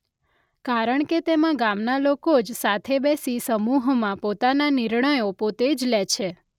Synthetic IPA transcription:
kaɾəɳket̪emãɡamnalokod͡ʒsat̪ʰebesisəmuɦmãpot̪ananiɾɳəjopot̪ed͡ʒlɛt͡ʃʰe

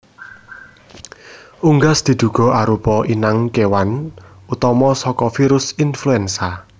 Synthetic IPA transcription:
uŋɡasd̪̥i̤d̪̥ṳɡ̥ɔ̤aɾupɔʔinaŋkewan | ut̪ɔmɔsɔkɔfiɾʊsinfluɛnsa

